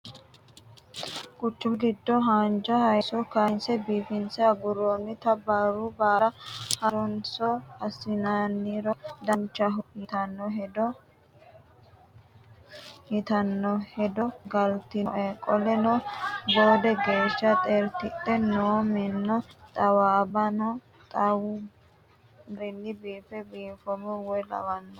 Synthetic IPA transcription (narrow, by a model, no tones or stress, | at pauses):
kʼʊt͡ʃːʊmɡɪd̪ːɔɦɐnd͡ʒɐhɐjsɔkɐnsɛbiːfɪnsɛɐbʊɾoːnːɪt̪ɐbaːɾubaːɾɐhɐɾʊnsɔhɐsɪnanːiɾɔd̪ɐnt͡ʃːɐɦʊhɪt̪ɐnːɔɦɛd̪ɔ | hɪt̪ɐnːɔhɛd̪ɔɡɐlt̪ɪʔɛkʼɔlɛnɔboːd̪ɛɡe̞ːʃːɐt̪ʼeɾt̪ɪtːɛnoːmɛnːɔt̪ʼɐwaːbɐnɔ | t̪ʼɐw | ɾɪlːɪbiːfɛbiːfɔmɛwɔlɐ̰wɐnːɔ